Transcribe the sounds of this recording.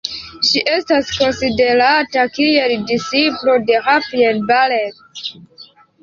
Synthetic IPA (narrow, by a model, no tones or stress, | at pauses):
ʃiʔe̞stasko̞nside̞ɾatakie̞ldisiplo̞de̞hafielbalet